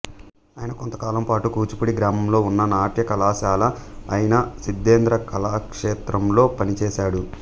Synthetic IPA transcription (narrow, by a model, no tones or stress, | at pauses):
aːjinɐkont̪ɐkaːlɐmpaːʈukuːt͡ʃu̥puɽiɡɾaːmɐmlo̞ːunːɐnaːʈjɐkɐlaːʃaːlɐːjinɐsid̪ːeːnd̪ɾɐkʰɐlaːkʂeːt̪ɾɐmlo̞ːpɐnit͡ʃɛːʃaːɽu